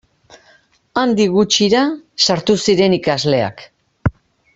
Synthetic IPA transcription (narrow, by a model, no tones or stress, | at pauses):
and̪iɣut͡ʃiɾasaɾt̪usiɾe̞nikazle̞a̰k